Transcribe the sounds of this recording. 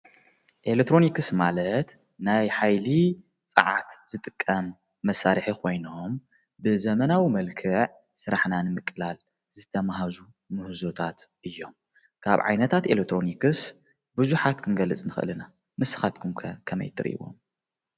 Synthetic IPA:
ʔelek̚t̪ʰːɾo̞nikɨsmalɐt̪ | najħajli | t͡sʼɨ̰ʕa̰t̪z̥ɨt̪ʼɨkʼːɐmː | ɐsːaɾħikʰo̞jno̞m | bɨzɐmɐnawimɐlkʰɨʕ | sɨɾaħnanɨmɨkʼːɨlal | zɨt̪ʰɐmaɦazu | mɨhɨzo̞t̪ʰat̪ʔɨjːo̞m | kʰa̰βʕa̰jnɐt̪ʰat̪elek̚t̪ʰɾo̞nikɨs | buzuħat̪kʰɨnɡɐlɨt͡sʼnɨxɨ̰lɨna | mɨsɨ̥xat̪kʰumʰkʰɐmɐ̰jt̪ʰɨɾ̰ʔḭwo̞̰m

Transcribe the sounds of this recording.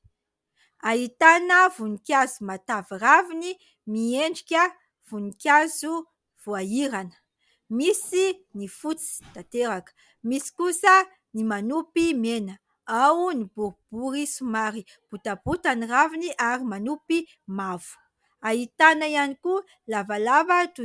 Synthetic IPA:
aɦit̪anəvunikʲazumat̪aviravini | mieɳɖ͡ʐikʲə | v̥unikʲazu | v̥uaiɾanə̥ | misinifut͡si̥t̪at̪eɾakə̥ | misi̥kusə | nimanupimenə | awunibuɾub̥uɾisumaɾi | b̥ut̪abut̪aniraviniʔaɾimanupi | mavu̥ | aɦit̪anəianiku | lavalavat̪u

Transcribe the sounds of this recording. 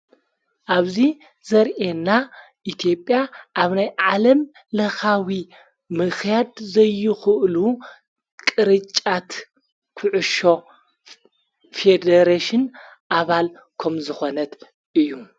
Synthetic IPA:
ʔaβzi | zɐɾʔena | ʔit̪ʰijo̞pʼjaʔaβnajʕalɐm | lɐxawi | mɨxjad̪zɐjːɨxɨʔlu | kʼɨɾɨt͡ʃʼːat̪ | kʰɨʕʊʃo̞ | fed̪ɐɾaʃɨn | ʔaβal | kʰɐmzɨxo̞nɐt̪ | ʔɨjːu

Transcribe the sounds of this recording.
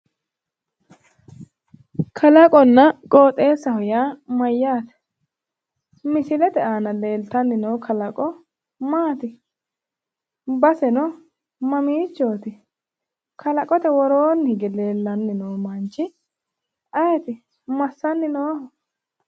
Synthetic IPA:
kʰɐlɐkʼɔnːɐkʼoːt̪ʼːe̞ːsːɐhɔjaːmɐjːaːt̪ɛ̥ | mɪsɪlɛt̪ɛʔaːnɐle̞ːlt̪ɐnːɪnɔwkʰɐlɐkʼɔ | maːt̪ɪ | bɐsɛnɔ | mɐmiːt͡ʃːoːt̪ɪ | kʰɐlɐkʼɔt̪ɛwɔɾoːnhɪɡɛle̞ːlːɐnːɪnoːmɐnt͡ʃːɪ | ɐjɛt̪ɪ | mɐsːɐnːɪnoːhɔ

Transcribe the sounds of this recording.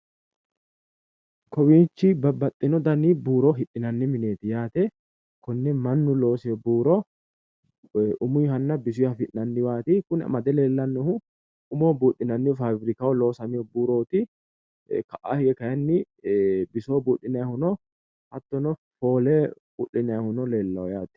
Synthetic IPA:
kɔwint͡ʃːɪbɐbːɐt̪ʼːɪnɔd̪ɐnibuːɾɔɦɪᶑɪnɐnːɪmɪneːt̪ɪjaːt̪ɛ | kʊnːɛmɐnːʊlo̞ːsɪjɔbuːɾɔ | ʔʊmʊjɦɐnːɐbɪs̬ʊɐfɪʔnɐnːɪwaːt̪ɪkʊnɐ̰mɐd̪ɛlɛlːɐnːɔhʊ | ʊmoːbuːᶑɪnɐnːɪfabɾɪkɐwɔlo̞ːsɐmɪɔbuːɾoːt̪ɪ | kɐʔa̰hɛkɐjɐnːɪ | bɪsoːbuːᶑːɪnɐhʊnɔ | hɐt̪ːɔnɔ | fo̞ːlɛ | ʊ̰ɗɪnɐhʊnɔleːlːɐwɔjaːt̪ɛ̥

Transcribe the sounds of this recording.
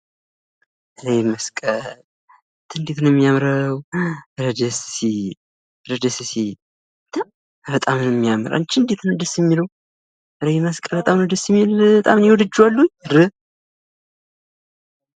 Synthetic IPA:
ʔɨɾejməskʼəl | t̪ʰɨnd̪et̪ɨnjɛmːijamɾəwɾəd̪əsi | ɾəd̪əsisi | t̪ʰam | bət̪ʼamɨnɛmːijamɨɾa̰nt͡ʃːɪnd̪et̪ʰnɨd̪əsjɛmːiləw | ʔɨɾejməskʼəbət̪ʼamnəd̪əsjɛmːilət̪ʼamnjɛwɔd̪ɨd͡ʒːuwalːuɲɾɨ

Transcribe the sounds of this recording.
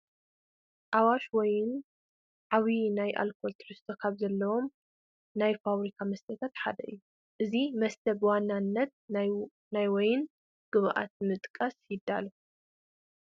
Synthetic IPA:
ʔawaʃwɔjɪn | ʕaβinajʔa̰lkʰolt̪ʰɨɾɨst̪ʰokʰaβzɐlːɐwo̞m | najfaβɾikʰamɐst̪ʰɐt̪ʰat̪ħa̰d̪ɐ̰ʔɨ̰jːu | ʔɨzimɐst̪ʰɐbɨwanːanːɐt̪̚ | najwɔjɪn | ɡ̥ɨβʔa̰t̪̚mɨt̪ʼkʼːɐsjɪd̪ːa̰lɐ

